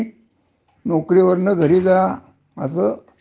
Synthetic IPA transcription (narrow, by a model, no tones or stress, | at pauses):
nokɾiʋəɾnəɡʱəɾiːd͡za | əsəː